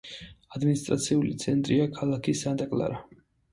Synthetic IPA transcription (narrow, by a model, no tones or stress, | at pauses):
ad̪minist̪ʼɾat̪sʰiulit̪sʰɛnt̪ʼɾiakʰalˠakʰisad̪akʼlˠa̰ɾa